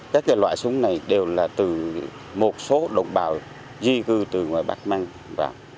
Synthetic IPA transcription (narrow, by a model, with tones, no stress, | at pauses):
kaː˦˥k̚ːaː˨˦jlwa̰ː˧˨jsʊ˨˦ŋ͡mna˨˩jɗe˨˩wlaː˨˩t̪ɨ˨˩ | mo˨˩t̚so˨˦ɗə̰˧˨wŋ͡mɓaː˨˩w | zi˧kɨ˧t̪ɨ˨˩ŋwaː˨˩jɓa̰˦˥k̚maː˧ŋ | va̰ː˨˩